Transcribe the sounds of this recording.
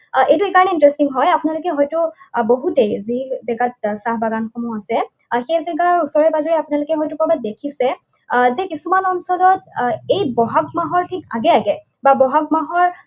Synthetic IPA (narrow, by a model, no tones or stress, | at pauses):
ʔejtuekaɹɔnɛintɹɛstiŋɦɔjapunalʊkɛɦɔjtʊboɦutejzizɛɡat̚saɦbaɡanxomuasɛ | xejzɛɡaɹusɔɹɛbazɔɹiapʊnalʊkɛɦɔjtʊkɔbadekʰisɛ | zɛkisumanɔnsɔlɔtejbɔɦak̚maɦɔɹtʰikaɡɛaɡɛ | babɔɦak̚maɦɔɹ